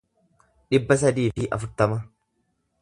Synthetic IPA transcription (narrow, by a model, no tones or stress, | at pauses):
ᶑɪbːɐs̬ɐd̪iːfɪʔɐ̰fʊɾt̪ɐmɐ